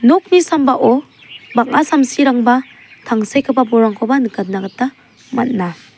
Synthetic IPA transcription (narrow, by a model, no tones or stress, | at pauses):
nok̚misambaʔɔ | baŋ̚asamsiɾaŋba | tʰaŋsajkʰɯbabɔɾaŋkʰɔbanɯkat̚nːaɡatːa | mat̚na